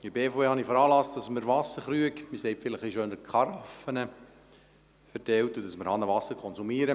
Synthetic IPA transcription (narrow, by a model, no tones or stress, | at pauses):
ibeːfoːeːhɑnifəɾɑːlɑsd̥ɑsməɾvɑsːəɾχɾyəkmɪsɛɪpfɪləχiʃøːnəkχɑɾɑfənə | fɛɾtɛltudɑsməɾhɑnəʋɑsːəɾkʰɔnzumiəɾə